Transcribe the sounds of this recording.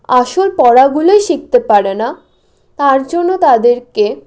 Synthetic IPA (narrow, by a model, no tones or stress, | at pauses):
aʃolpɔɽaɡuloeʃik̚t̪epaɾena | t̪aɾd͡ʑonːot̪ad̪eɾke